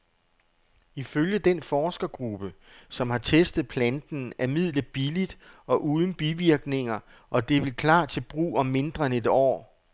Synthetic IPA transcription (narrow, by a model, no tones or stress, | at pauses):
iføljəd̥enfɒːsɡ̥ɐɡ̥ʁub̥əsɒ̽mhɑ̈t͡sʰesd̥ð̞̩ˠpʰlænd̥n̩æɐmið̞̰ˠlə̥b̥ilid̥ɒ̽ʔuːð̞ˠn̩b̥iʋiɐɡ̥ne̝ŋɐ | ʔɒ̽d̥e̝ʋe̝lkʰlɑ̰̈ːt͡sʰe̝b̥ʁṵːɒ̽mːe̝nd̥ʁɐene̝d̥ɒ̰ː